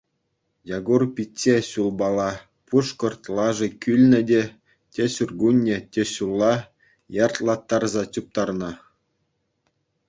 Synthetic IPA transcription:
jɑɡurpʲitʲːeɕulˠbɑlˠɑ | puʂkɤ̆rt̪ʲlˠɑʐɤ̆kʲylʲnʲɘ̆dʲe | tʲeɕurɡunʲːĕtʲeɕulˠːɑ | jɑrt̪lˠɑt̪ːɑrzɑt͡ɕup̚t̪ɑrnɑ̆

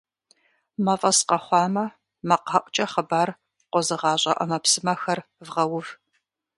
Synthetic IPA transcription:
mɐfʼɐsqɐχʷɑːmɐ | mɐqɐʔʷt͡ʃʼɐχəbaːr | qʷɔzɨʁɑːɕʼɐʔɐ̰mɐpsɨmɐxɐrvʁɐwʊv

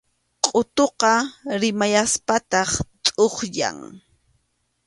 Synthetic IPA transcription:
qʼot̪oqɑɾɪmajaspat̪ɑχtʼoχja̰ŋ

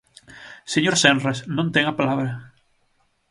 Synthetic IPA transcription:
seɲoɾsenresnõnt̪eŋapalaβɾɐ

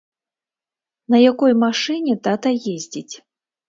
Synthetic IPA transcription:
nɐjakɔjmaʂɨnʲɛt̪at̪ɐjezʲd͡zʲit͡sʲ

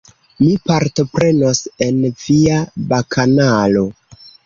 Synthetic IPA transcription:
mipaɾto̞pɾe̞no̞se̞nviabakʰanalo̞

